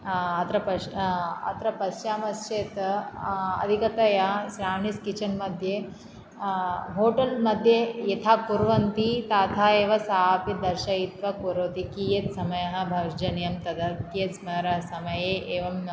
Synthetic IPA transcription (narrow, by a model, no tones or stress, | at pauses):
ɐt̪ɾɐpɐɐ̰t̪ɾɐpɐsjaːmɐst͡ʃeːt̪ | ɐ̰d̪ʱikɐt̪ɐjaʃɾaːɳiskit͡ʃɐnmɐd̪ʱje | ɦoːʈɐlmɐd̪ʱjejet̪ʰaːkuɾʋɐnt̪it̪aːt̪ʰaːeːʋɐsaːpjɐd̪ɐɾʃɐjit̪ʋɐkuɾoːt̪ikiːjet̪sɐmɐjɐɦɐ̆bʱɐd͡ʒɐnjɐmt̪ɐd̪ɐt̪jet̪smɐɾɐsɐmɐjeːʔeːʋɐm